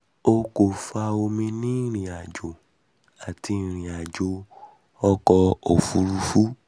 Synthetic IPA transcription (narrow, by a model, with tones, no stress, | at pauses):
o˧ko˨fa˧o˧mĩ˧nĩ˦˨ɾ̃ĩ˨a˨d͡ʒo˨ | a˨ti˧˨ɾ̃ĩ˨a˨d͡ʒo˨˦ | ɔ˦kɔ˧o˨fu˧˦ɾu˧fu˦